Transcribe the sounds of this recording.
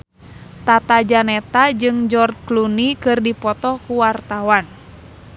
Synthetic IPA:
t̪at̪ad͡ʒanɛt̪ad͡ʒɨŋd͡ʒɔrklunikɨrdipɔt̪ɔkuwart̪awan

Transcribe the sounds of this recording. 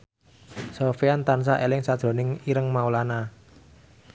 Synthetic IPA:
sofeant̪ans̬aʔelɪŋsad̥ʒ̥ɾo̤nɪŋiɾəŋmaulana

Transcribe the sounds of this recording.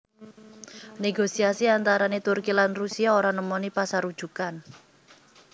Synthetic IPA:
neɡosiasiant̪aɾanet̪urkilanrusiaoɾanəmɔnipasaɾud̥ʒ̥ṳkan

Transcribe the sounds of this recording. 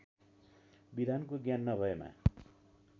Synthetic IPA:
bid̪ʱankoɡjanːʌbʱʌema̰

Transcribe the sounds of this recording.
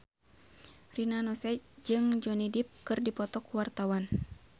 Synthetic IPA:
rinanɔsɛd͡ʒɨŋd͡ʒɔnidip̚kɨrdipɔt̪ɔkuwart̪awan

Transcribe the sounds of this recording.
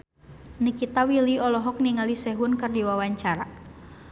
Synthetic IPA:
nikit̪awiliɔlɔɦɔk̚niŋalisɛɦʊnkərdiwawaɲt͡ʃaɾa

